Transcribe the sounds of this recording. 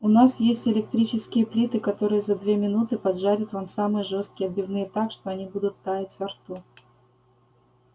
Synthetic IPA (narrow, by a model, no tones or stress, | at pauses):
ʊnasjesʲtʲɪlʲɪk̚t̪ɾʲit͡ɕɪskʲɪjəplʲit̪ɨkɐt̪o̞ɾɨjəzɐd̪vʲe̞mʲɪnut̪ɨpɐd̪ʐaɾʲɪt̪vamsamɨjəʐo̞st̪̚kʲɪɐd̪bʲɪvnɨjət̪akʂt̪o̞ɐnʲibud̪ʊt̪ːajɪtʲvɐrt̪u